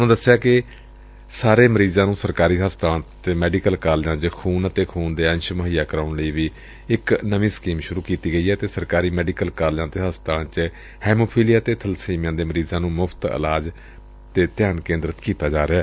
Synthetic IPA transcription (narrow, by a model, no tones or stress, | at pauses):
nõːd̪əsːejaːkɪ | saːɾeːməɾiːzãːnũːsəɾkaːɾiːɦəst̪aːt̪eːmɛːɖikəlkaːljãːt͡ʃəkʰuːnət̪eːkʰuːnd̪eːɛ̃nʃməɦijaːkəɾaːɳləiːʋiː | ɪknəʋĩːskiːmʃʊɾuːkiːt̪iːɡəiːɦɛːt̪eːsəɾkaːɾiːmɛːɖikəlkaːljãːt̪eːɦəst̪ãːnt͡ʃ | hɛːmoːpʰiːlɪjaːt̪eːt̪ʰəlsiːmjãːd̪eːməɾiːzãːnũːmʊpʰt̪ə̰laːd͡ʒ | t̪eːt̪ɪjaːnkẽːnd̪ɾət̪kiːt̪aːd͡ʒaːɾeaː